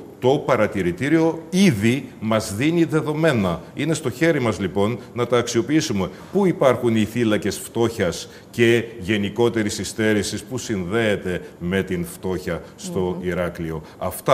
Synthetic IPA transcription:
t̪o̞pɐɾɐt̪iɾit̪iɾio̞iðimɐzðiniðe̞ðo̞me̞nɐine̞st̪o̞çe̞ɾimɐzlipo̞nːɐt̪ɐːksio̞piisume̞ | puipɐɾxuniθilɐce̞sft̪o̞çɐs | ce̞ʝe̞niko̞t̪e̞ɾisist̪e̞ɾisispusinðe̞ːt̪e̞me̞t̪inft̪o̞çɐst̪o̞iɾɐklio̞ | ɐft̪ɐ

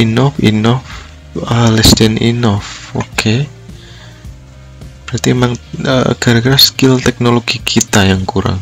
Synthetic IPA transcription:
inɔfḭnɔf | əlɛsdɛnḭnɔfokʰe | b̥əɾat̪iemaŋə̰ɡ̥a̤ɾɡɾaskilt̪ɛk̚noloɡ̥ikʰit̪ajaŋkuɾa̰ŋ

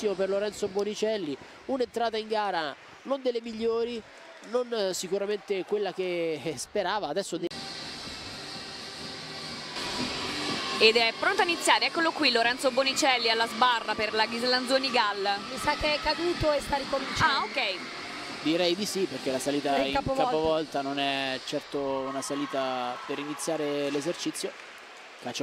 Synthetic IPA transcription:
imoperloɾɛnt̪sobonit͡ʃɛlːi | unent̪ɾaːt̪aiŋɡaːɾa | nond̪elːemiʎːoːɾi | nonsikuɾament̪ekwelːak̟espeɾaːvaːd̪ɛsːod̪ | ed̪ɛɛpːɾont̪oainit̪sːjaːɾeɛkːolokwilːoɾɛnt̪sobonit͡ʃɛlːialːazbarːaperlaɡizland̪oːniɡalːmisakːeɛkːad̪uːt̪oest̪aɾikomĩnt͡ʃaokːɛj | d̪iɾɛjd̪isiperk̟elasaliːt̪aikapkaːpovɔlt̪anonɛt͡ʃɛrt̪ounasaliːt̪apeɾinit̪sːjaːɾelezert͡ʃit̪sːjo | kat͡ʃːe

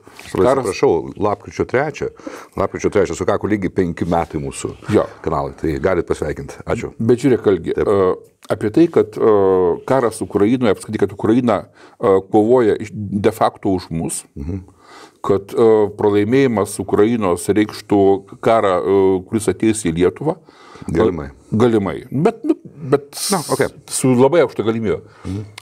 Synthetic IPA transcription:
ksːrɐpɾɐʃɐʊlˠɑːp̚kɾʲɪt͡ʃʲoːt̪ʲɾʲæːt͡ʃʲɛlˠɑːpkɾʲɪt͡ʃʲoːt̪ɾʲæːt͡ʃʲɛsʊkɑːkoːlʲiɡʲɪpʲɛŋʲkʲɪmʲæːt̪ɐɪmuːsʊ̰jo̰ːkɐnɑːlˠɐɪt̪ɐɪɡɑːlʲɪt̪̚pɐsʲʋʲɛɪkʲɪnt̪ɑːt͡ʃʲʊbʲɛt̪ʒʲuːɾʲeːkɐlʲɡʲɪ | ɑːpʲiɛt̪ɐɪkɐt̪kɑːɾɐsʊkɾɐjinoːjɛɐpskɪt̪ɪkɐt̪ʊkɾɐjinɐ | koːʋoːjɛʔɪʃd̪ʲɛfɑːkt̪oːʊʃmʊs̩ | kɐt̪prɐlˠɐɪmʲeːjɪmɐsʊkɾɐjinoːsɾʲɛɪkʃt̪ukɑːɾɑkʊɾʲɪsɐt̪ʲɛɪjsʲilʲiɛt̪ʊʋɑː | ɡɐlɪmɐ̰ɪ | ɡɐlʲɪmɐɪnʊbʲɛt̪nʊbʲɛt̪nɐoːkʲesʊlˠɐbɐɪɐʊkʃt̪ɐɡɐlʲɪmʲiːbʲɛː

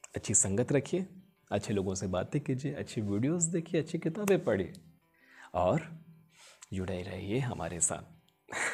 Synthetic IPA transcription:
ɐtːʃʰisɐ̃ŋɡət̪ɾɐkʰieː | ɐtːʃʰeloːɡõsebaːt̪ekiːd͡ʒieʔɐ̰tːʃʰiʋiːɖijoːzd̪eːkʰijeɐtːʃʰekɪt̪aːbẽpɐɽ̤ḭḛ | ɔːɾ | d͡ʒʊɽaːiɾɐ̰ɦieɦɐmʔa̰ːɾʔḛsa̰ːt̪̚

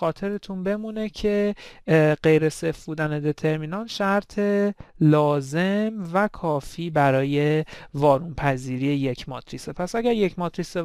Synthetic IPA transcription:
xɒːt̪ʰe̞ɾet̪ʰunbe̞mune̞cʰe̞ | ɢe̞jɾe̞sefbuːd̪æne̞d̪e̞t̪ʰe̞ɾmiːnɒːnʃæɾt̪ʰe̞lɒːze̞mvækʰɒːfiːbæɾɒːje̞vɒːɾunpʰæziːɾiːjeje̞cʰmɒ̰ːt̪ʰɾisepʰæsæɟæɾje̞cmɒːt̪ɾise

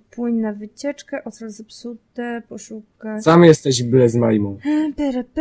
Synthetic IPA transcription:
pwɘɲnavɘt͡ɕɛt͡ʂkɛʔɔt̪ɾazɛpsut̪ɛpɔʂukasamjɛst̪ɛʑbɘlɛzmajmɔ̃w̃bɛɾap

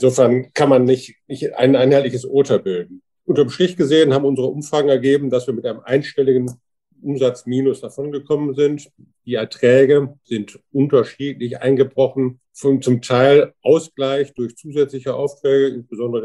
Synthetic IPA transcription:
ɪnzoːfɛɐnkʰanmanːɪçtnɪçtʔa̰ɪnʔaɪnhaɪtlɪçəsʔoːtɐbɪldn̩ | ʔʊntɐmʃtʁ̥ɪçɡ̥əzeːənhaːbm̩ʊnzəʁəʔʊmfʁ̥aːɡŋ̩ɛɐɡeːbm̩dasv̥iːɐmɪtʔaɪnəmʔaɪnʃtɛlɪɡən | ʔʊmzat͡smiːnʊsd̥afɔnɡəkʰɔmənzɪnt | d̥iːɛɐtʁ̥ɛːɡəz̥ɪntʔʊntɐʃiːtlɪçʔa̰ɪnɡəbʁɔχn̩ | fɔnt͡sʊmtʰaɪlʔaʊsɡ̥laɪçd̥ʊɐçt͡suːzɛt͡slɪçəʔa̰ʊftʁ̥ɛːɡəɪnsb̥əzɔndəʁə

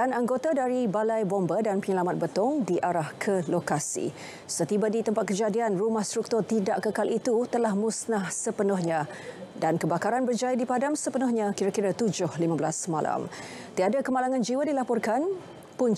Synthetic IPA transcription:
anaŋɡot̪adaɾibalajbɔmbadanpəɲəlamat̪̚bət̪ɔŋdiʔaɾahkʰəlokasḭ | sət̪ibadit̪əmpat̪̚kəd͡ʒadianrumahst̪ɾuk̚t̪ʊrt̪idaʔkəkalʔit̪ut̪əlahmusnahsəpənʊhɲã | dankəbakaɾanbərd͡ʒajadipadamsəpənʊhɲãkiɾakiɾat̪ud͡ʒʊhlimabəlasmala̰m | t̪iadakəmalaŋãnd͡ʒiwadilapɔrkan | pun

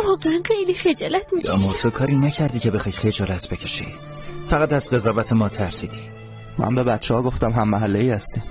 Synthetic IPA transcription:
vɒːɣeænχejlixed͡ʒɒːlæt̪ʰmiɒmoɾt̪ʰokʰɒːɾiːnæcʰæɾd̪iːcʰe̞bexɒjχed͡ʒɒːlæt̪ʰbecʰe̞ʃḭ | fæɣæt̪æzɢe̞zɒːvæt̪ʰemɒːt̪ʰæɾsiːd̪i | mæ̰nbe̞bæt̪t͡ʃːeɒːɡo̞ft̪æmɦæmːæɦælːeiːhæst̪iː

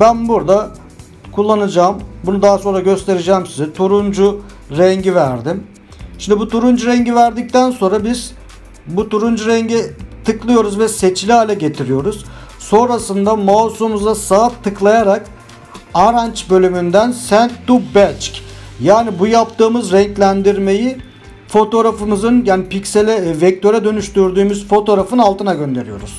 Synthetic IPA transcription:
bænbuɾd̪a | kʰulˠːanɯd͡ʒaːmbunud̪aɦaso̞nɾaɟø̞st̪e̞ɾid͡ʒɛːmsizɛt̪ʰuɾund͡ʒu | ɾɛɲɟivæɾd̪im | ʃimd̪ibut̪ʰuɾund͡ʒuɾɛɲɟivæɾd̪ic̚t̪ʰænso̞nɾabiz̥ | but̪ʰuɾund͡ʒuɾɛɲɟit̪ʰɯklˠɯjo̞ɾuzvɛse̞t͡ʃlʲiɦalʲɛɟe̞t̪ʰiɾijo̞ɾuz̥ | so̞nɾasɯnd̪amawsumuzasaɯp̚t̪ʰɯklˠajaɾak | aɾant͡ʃbø̞lʲymynd̪ænsænt̪̚d̪ubɛt͡ʃcʲjaːnibujapt̪ʰɯːmɯzɾɛɲclʲænd̪iɾme̞ji | fo̞t̪o̞ɾafɯmɯzɯnjaːnipicselʲɛvɛc̚t̪ʰø̞ɾɛd̪ø̞nyʃt̪yɾd̪yːmyzfo̞t̪ʰo̞ɾafɯnalˠt̪ʰɯnaɟø̞nd̪e̞ɾijo̞̰ɾuz̥

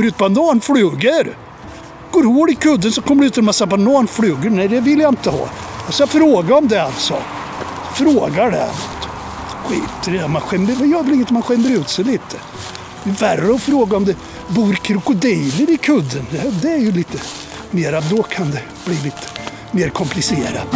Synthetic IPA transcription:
kɔməɾʉːt̪band̪ɑːnflʉːɡəɾ | ɡ̥oːɾhoːɾɪkʰɵd̪ːənsɔkʰɔmːəɖɛʉ̟ːt̪ɛlmasːaband̪ɑːnflʉːɡəɾnæjd̪ɛvɪljaɪnt̪əhɑ̰ːalsɔjɑfɾoːɡaɔmd̪ɛa̰lt̪sɔ̰ | fɾoːɡaɖɛ̰a̰nɔt̪ | ɧḭːt̪ːɾɛɔmanɧɛmːəvjɑːblɪŋːt̪manɧɛmːəɾʉ̟ːt̪sɛjliːt̪ʰə̥ | ɛværːəɔfɾoːɡaɔmd̪ɛ | buːɾkʰɾʊkʊd̪ɪːləɾɪkʰɵd̪ːənd̪ɛd̪ɛæɾjʉliːt̪ə | meːɾad̪ɔkʰand̪ɛ | b̥liːliːt̪ʰə̥ | meːɾkʰɔmpʰlɪsḛːɾa̰t̪

